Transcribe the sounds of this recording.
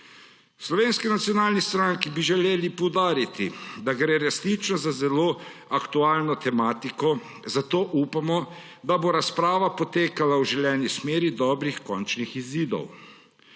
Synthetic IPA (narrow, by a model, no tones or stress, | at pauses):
slɔʋeːnskinat̪sijɔnaːlnist̪ɾaŋkibiʒɛleːlipɔwd̪aːɾit̪ḭd̪aɡɾeːɾɛsnit͡ʃnɔzazɛloːakt̪uaːlnɔt̪ɛmaːt̪ikɔ | zat̪oːʔupamɔ | d̪aboɾaspɾaːʋapɔt̪eːkalawʒɛljɛːnismeːɾid̪ɔːbɾixkɔnt͡ʃnixiziːd̪ɔ̰w